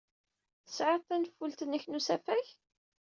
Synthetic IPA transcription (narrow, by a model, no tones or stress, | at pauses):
θə̥sʕəˤt̪ˤːænəfːult̪ənæçnusæfæç